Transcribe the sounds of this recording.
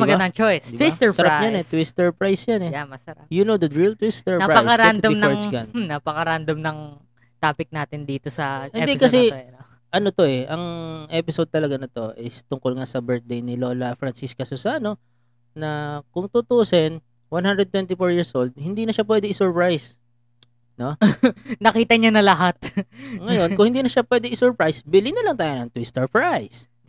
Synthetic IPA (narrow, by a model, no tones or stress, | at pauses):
mɐbɐd̪ɐŋt͡ʃojsd̪ɪsɛsɐɾapɲanɛt̪wist̪ɛɹpɹajsjanɛjamɐsɐɾajʊnod̪ɐd̪ɹilt̪wɪst̪ɛɹnapɐjɐɾnd̪ɐmnɛŋskɐnnapɐkɐɾand̪ɐmnɐŋ | t̪aːpɪk̚naːt̪ɪnd̪iːt̪osɐhɪnɛkɐs̬ɛ | ʔɐnot̪o̞ɛʔɐŋʔɛpɪsod̪̚t̪ɐlɐɡanɐt̪o̞ʔɪst̪ʊŋkolŋasɐbɛɹt̪̚d̪ejnɪlo̞ːlɐfɹɐnsiskɐsʊsaːno̞ | nɐkʊŋt̪ut̪uʔsɛn | wanhand̪ɾɛd̪̚t̪wɛnt̪ɪfoɹjiɹsʔold̪̚hɪnd̪iːnɐʃap̬wɛd̪ɛɪsʊɹpɹajs | no̞nɐkiːt̪ɐɲɐnɐlɐɦat̪̚ŋɐjo̞nkʊ̃ŋhɪnd̪iːnɐʃapwɛd̪ɛʔɪsʊɹpɹajsbɪlɪnɐlɐŋt̪aːjonɐŋt̪wist̪ɐɹfɹajs